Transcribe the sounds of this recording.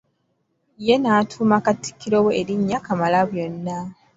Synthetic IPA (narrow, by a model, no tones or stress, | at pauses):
jenaːtʰuːmakatːi̥kːiɾowoeɾiɲːakamalaβjo̞nːa